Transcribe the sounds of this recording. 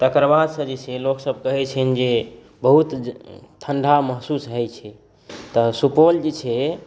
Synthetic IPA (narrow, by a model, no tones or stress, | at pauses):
t̪əkəɾbad̪sə̃d͡ʒet͡ʃʰɛloksəb̚ʱkəɦɛt͡ʃʰɛnd͡ʒe | bəɦut̪t̪ʰːəɳɖʱaməɦsusɦəjt͡ʃʰɛ | t̪əsupold͡ʒet͡ʃʰɛ